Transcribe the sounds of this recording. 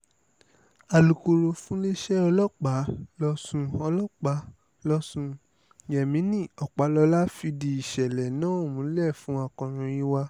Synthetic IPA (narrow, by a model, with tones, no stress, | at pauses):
a˨lu˨ko˧ɾo˧fũ˦le˦ʃɛ˦ɔ˧lɔ˦k͡pa˨˦lɔ˧sũ˧ɔ˧lɔ˦k͡pa˨˦ | lɔ˧sũ˧ | jɛ˨mĩ˨˦nĩ˦˨ɔ˨k͡pa˨˦lɔ˧la˦fi˧di˧i˨ʃɛ˨lɛ˨nãː˦o˦˨mũ˨˦lɛ˦˨fũ˨˦a˧kɔ̃˧ɾ̃ũ˧i˦wa˧